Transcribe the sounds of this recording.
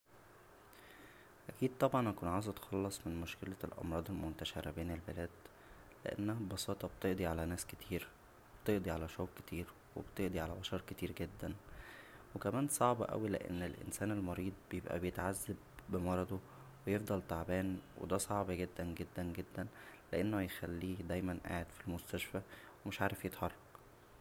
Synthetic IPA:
ʔækiːd̪̥̚t̪ˤɑbʕɑnʔækuːnʕawzʔɑt̪xɑlːɑsˤmenmoʃkelælʔɑ̰mɾˤɑːd̪ˤelmont̪æʃeɾæ̰beːnelbelæːd̪̥ | lḛʔḛnːææbɑsɑːt̪ˤɑb̚t̪eʔd̪iʕalænæːsket̪ʰiːɾ | web̥t̪eʔd̪ˤiʕalæʃoːkke̥t̪ʰiːɾ | wḛbt̪eʔd̪ˤiʕalæbɑʃɑɾˤket̪iːɾɡed̪ːæn | wekæmæːnsˤɑʕbɑ̰ʔæ̰wilḛʔḛnːelʔḛnsæːnelmɑɾiːd̪̚ˤbejebʔæ̰bejet̪ʕazːæbːemɑɾˤɑd̪o | wejefd̪ˤɑlt̪aʕbæːnwḛd̪æsˤɑʕbɑɡed̪ːænɡed̪ːænɡed̪ːænleʔenːojexælːiːd̪æjmænʔa̰ːʕed̪filmost̪æʃfæwemeʃʕaːɾefjet̪ħɑrˤːɑq

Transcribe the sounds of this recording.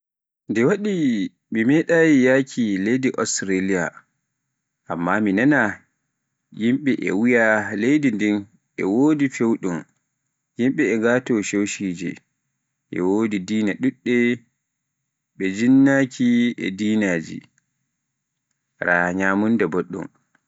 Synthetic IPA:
ndɛwaɗi | mimɛɗaːjijakʰilejdiʔɔstɾalija | ʔamːaminana | jimɓɛʔɛ̰wijalejdindin | ʔɛ̰woːdifewɗum | jimɓɛɛɡaːtɔʃewʃiːd͡ʒɛ̰ | ʔɛ̰woːdidiːnaɗuɗːɛ | ɓɛd͡ʒinːaːkʰiʔɛ̰diːnaːd͡ʒḭ | ɾaɲaːmundɛboɗːṵm

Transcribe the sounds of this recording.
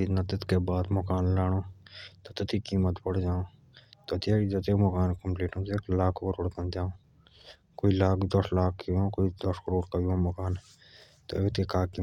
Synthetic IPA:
iːnɐt̪ɪt̪kebaːd̪mɔkaːnlaːɽ̃oːt̪ot̪ɪt̪ʰikiːmət̪bəɽd͡ʒaːõː | t̪ot̪jeːɾid͡ʒɐt̪ekmɔkaːnkəmpliːʈõːt̪eklaːkʰõkəɾoːɽkɐnd͡ʒaːõː | koːilaːkd̪əslaːkʰːõːkoid̪əskəɾoːɽkɐiõmokaːn | t̪o̰ʋt̪kekaːkiː

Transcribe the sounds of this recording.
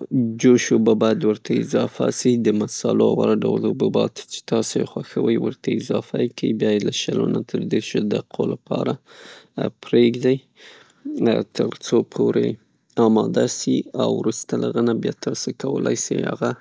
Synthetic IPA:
d͡ʒoʃobabɑjad̪wəɾt̪ʰaɪzɑfasid̪əmasɑlowaɾaɖawld̪obəbɑt̪t͡ʃe̥t̪ɑsoexwaxawəjwəɾt̪ʰaɪzɑfakʰaibjɑjelaʃalonat̪ʰəɾd̪eɾʃod̪aqʰolapʰɑɾa | pɾeɡd̪aj | t̪ʰəɾt͡sopʰoɾe | ɑmɑd̪asiawɾust̪alʔaɣənabjɑt̪əɾsakawəlʔa̰jsija̰ɣa

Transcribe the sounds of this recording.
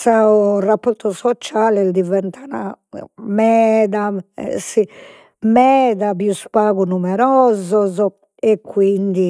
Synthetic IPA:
saurapːoɾt̪ɔsɔt͡ʃaːlɛld̪ivɛnt̪ʰanamɛːd̪a̰si | mɛːðaβiuspaːɡunumɛɾɔːzɔzɔ | ekːwind̪i

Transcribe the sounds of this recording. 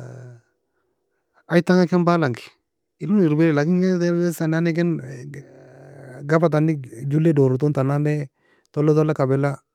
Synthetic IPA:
ajt̪aŋakɛnbaːlaŋkɪ̥ | ɪluniɾbeɾɛlakɪŋkɛtɛsananɛk̬ɛn | ɡabat̪̬anːɪd͡ʒulːedɔɾut̪̬unt̪ananɛ | t̪ɔlːɔt̪ɔlːakabɪla

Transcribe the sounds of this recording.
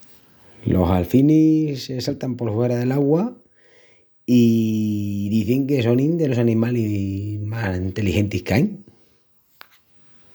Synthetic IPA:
lʔo̞̰salfinise̞salt̪ampo̞ɾfwe̞ɾaðe̞laɣwa | i | ðiθeŋke̞so̞nind̪e̞lo̞sanĩmalimasint̪e̞lixe̞nt̪ihkeajŋ

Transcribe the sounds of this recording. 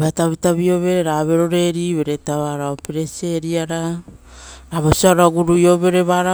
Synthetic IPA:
bataβitaβio̞βe̞ɾeɾaβe̞ɾo̞ɾe̞ɾiβe̞ɾetaβaɾaopeɾese̞ɾiaɾa | ɾaβosiaɾaɡuɾujo̞βe̞ɾe̞βaɾa

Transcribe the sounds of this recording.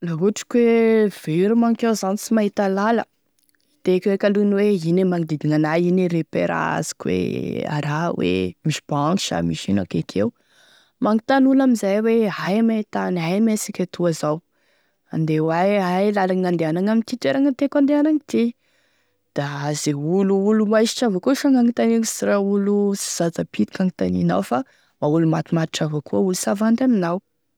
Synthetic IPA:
laɦuʈ͡ʂi̥kʲwev̥eɾumaŋkewzanisimaɦit̪alalə̰ | it̪ekwekalunweinemaŋid̪id̪iŋanaineɾepḛɾa̰a̰zi̥kʲwḛa̰ɾawḛmiʃib̥aaŋiʃa̰miʃina̰kekʰew | maŋit̪anulamizajweɦajmeit̪anɦajmesikʲat̪ʰuazaw | a̰nd̪ewajɦajlalanand̪eanaŋamint̪iʈ͡ʂeɾaŋat̪ekand̪eanaŋt̪i | d̪̥aazeuluulumajʃi̥ʈ͡ʂavakuʃaŋaŋit̪aninsiraulusi̥z̥at͡sapʰit̪i̥kanit̪anina̰wfa | maulumat̪imaɾiʈ͡ʂavakʰuəulusavand̪aminaw

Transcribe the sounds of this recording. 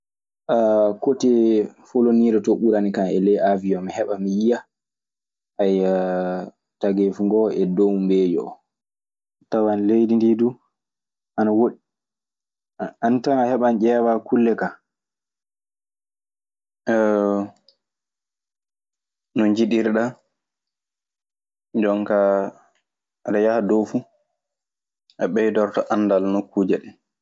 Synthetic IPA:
ʔakotɛfoloniːɾɛtoɓuɾanikanɛlɛjaviɔmihɛɓamijija | ʔaj | taɡefuŋɡɔɛdowmbeːd͡ʒɔ̰ | tawanlejdindidu | ʔanawoɗ | antanahɛɓand͡ʒɛːwakulːɛka | nɔɲd͡ʒiɗiɾɗa | d͡ʒɔŋka | ɾɛjahadofu | ʔaɓɛjdɔɾtɔʔanːdalnokːuːd͡ʒaɗɛn

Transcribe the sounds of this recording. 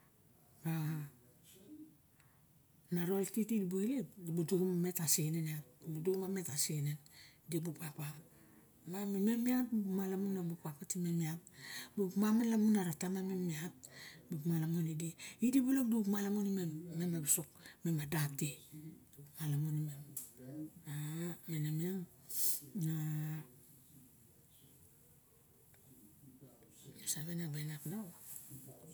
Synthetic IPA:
ba | naɾoltitidbuilebuduɡumame̞taseneniabuduɡumame̞tasenendibupapa | mamememiatumalamunːabupapatimemiapbukmamalamunaɾatamamemiat̚bukmalamonidiidibulokdukmalamunimemːemabisuk̚memadap̚teumalamunimem | amenamiaŋ | na | misaβenabanaknawa

